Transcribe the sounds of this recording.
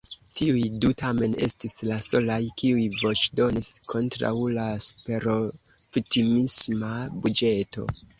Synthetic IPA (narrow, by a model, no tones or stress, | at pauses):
tiujdutame̞ne̞̰stislaso̞lajkiujvo̞t͡ʃdo̞niskʰo̞ntɾa̰wlasu̥pe̞ɾo | vitimismabud͡ʒe̞tʰo̞̰